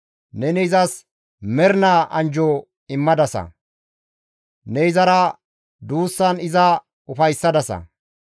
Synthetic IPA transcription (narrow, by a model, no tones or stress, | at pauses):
nɛnɛɪzɐs | mɛɾnaːʔɐnd͡ʒɔ | ɪmːɐd̪ɐsɐ̰ | nɛɪzɐɾɐ | d̪uːsːɐnɪzɐ | ʊfɐjsːɐd̪ɐsɐ̰